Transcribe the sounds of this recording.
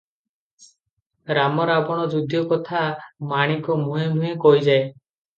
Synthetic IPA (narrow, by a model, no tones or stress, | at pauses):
ɾamɔɾabɔɽ̃ɔd͡ʒud̪ʱjɔkɔt̪ʰamaɽ̃ikɔmuɦemd̪ʱuɦekɔjd͡ʒae